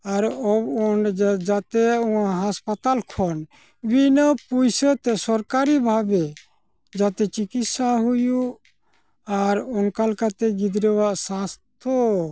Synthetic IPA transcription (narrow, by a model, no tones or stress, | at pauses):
aɾɔbɔnd͡ʒat̪eũãɦaspat̪alkʰɔn | binəpujsət̪ɛsɔɾkaɾibʱabe | d͡ʒat̪ɛt͡ʃikit̪saɦuju | aɾunkalkat̪ɛɡid̪ɾɛwaʔsãst̪ʰo